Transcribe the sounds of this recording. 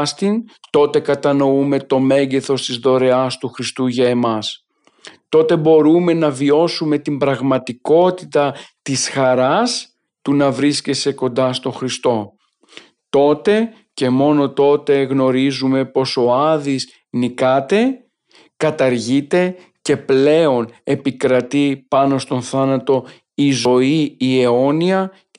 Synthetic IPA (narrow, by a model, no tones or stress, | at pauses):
st̪int̪o̞t̪e̞kɐt̪ɐno̞ume̞t̪o̞me̞ɲɟe̞θo̞st̪izðo̞ɾe̞ɐst̪uxɾist̪uʝɐe̞mɐs | t̪o̞t̪e̞bo̞ɾume̞nɐvio̞sume̞t̪imbɾɐɣmɐt̪iko̞t̪it̪ɐt̪isxɐɾɐs | t̪unɐvɾiscese̞ko̞nd̪ɐst̪o̞xɾist̪o̞ | t̪o̞t̪e̞ | ce̞mo̞no̞t̪o̞t̪e̞ɣno̞ɾizume̞po̞so̞ɐðiz | nikɐt̪e̞ | kɐt̪ɐɾʝit̪e̞ | ce̞ple̞o̞ne̞pikɾɐt̪ipɐno̞st̪o̞nθɐnɐt̪o̞ | izo̞iːe̞o̞niɐ